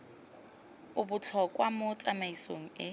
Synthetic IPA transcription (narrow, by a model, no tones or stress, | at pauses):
ʊbʊt͡ɬʰɔkʼwamʊt͡sʼamaisoŋ̩ɪ